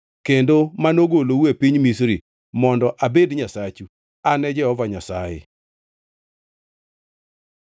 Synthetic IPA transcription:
kendomanoɡolowepiɲmisɾi | mɔndɔʔabedɲasat͡ʃu | anɛd͡ʒɛɔvaɲasajɪ̰

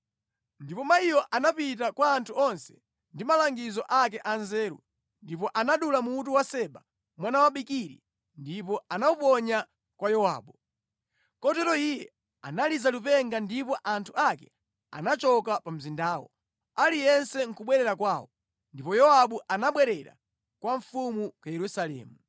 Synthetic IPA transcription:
ndipɔmaijɔʔanapit̬akwaːntʰuɔnsɛ̥ | ndimalaŋɡizɔʔakɛʔanzɛːɾṵ | ndipɔʔanaɗulamuːt̬uwasɛɓa | mwanawaɓikiɾḭ | ndipɔanaupɔɲa | kwajɔwa̰ːɓu | kɔtɛɾɔijɛ | a̰nalizalupɛŋɡandipɔʔantʰuakɛ̰ | a̰nat͡ʃɔkapam̩zindaːwɔ̰ | alijɛnsɛŋ̩kuɓwɛɾɛɾakwaːwɔ | ndipɔjɔwaɓuʔanaɓwɛɾɛɾa̰ | kwaɱfumukwajɛɾusalɛ̰ːmu

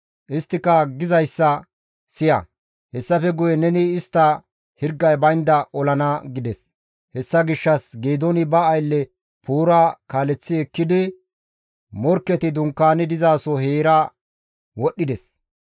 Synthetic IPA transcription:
ʔɪst̪ːɪkːɐɡɪzɐjsːɐ | sɪjɐ̰ | hɛsːɐfɛɡʊjɛnɛnɪːst̪ːɐ | hɪɾɡːɐjbɐjnd̪ɐʔɔlɐnaɡɪd̪ɛs | hɛsːɐɡɪʃːɐsɡeːd̪ɔnɪbɐːjlːɛ | puːɾaːkaːlɛt͡sːɪɛkːɪd̪ɪ | mɔɾkːɛt̪ɪd̪ʊŋkːaːnɪd̪ɪzaːsɔheːɾa | wɔɗːɪd̪ɛs

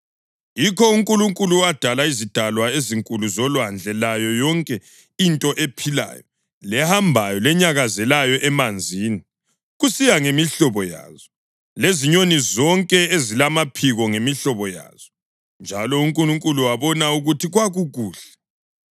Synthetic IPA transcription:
jikʰɔuŋkʼuluŋkʼuluad̥ʱalaizid̥ʱalwaeziŋkʼuluzɔlwand͡ɮʱɛlajɔjɔŋkʼɛ | intʼɔʔepʰila̰ːjɔ | lɛhambʱajɔlɛɲaɣazɛlajɔʔɛmand͡zʱiːni | ɣusijaŋemiɬɔβɔja̰ːz̥ɔ | leziɲonizɔŋkʼɛezilamapʰiɣɔŋemiɬɔβɔja̰ːz̥ɔ | nd͡ʒʱalɔuŋkʼuluŋkʼuluwaβɔnauɣutʰiɣwaɣuɣuːɬɛ̥

